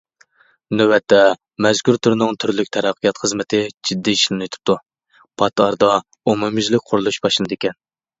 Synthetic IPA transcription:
nøwɛt̪ʰːɛ | mɛzkʲyɾt̪ʰuɾnɨŋt̪ʰyɾlykʲt̪ʰɛɾæqʰːijɑt̪χəzmɪt̪ʰɪd͡ʒid̪ːiːʃlˠɨnɨt̪ʰu̥p̚t̪ʰu | pʰɑt̪ɑɾd̪ɑ | omumyzlɪkʲqʰʊɾlˠuʃbɑʃlɨnɨd̪ekʲɛn

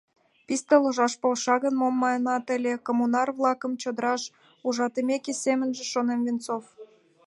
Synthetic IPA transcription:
pist̪eloʒɑʃpolʃɑɣə̆nmomːɑjnɑt̪ə̆lʲekomunɑrvlˠɑkə̆mt͡ɕod̪əɾɑʃ | uʒɑt̪emʲekʲesʲemə̆nʒĕʃonemvʲint͡sof

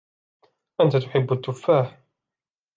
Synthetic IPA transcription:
ʔant̪at̪ʊħɪbːat̪ːʊfːaːħ

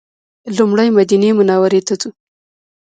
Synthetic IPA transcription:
lumɽajmad̪inemʊnɑwaɾet̪at͡s̪u

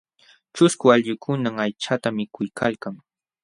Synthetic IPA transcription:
t͡ʃʊskʊaʎjʊkʰʊnaŋajt͡ʃat̪amɪkʊjkʰalkaŋ

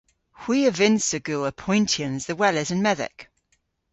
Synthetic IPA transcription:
hw̥iːəvɪ̃nsəɡʉːəpʰɔ̃ɪ̃ntʰiə̃nzðəwɛlɪzə̃nmɛðɪ̰k

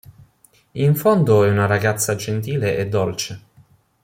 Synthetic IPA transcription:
iɱfond̪oɛunaɾaɡat̪sːad͡ʒent̪̬iːleʔed̪ːolt͡ʃe

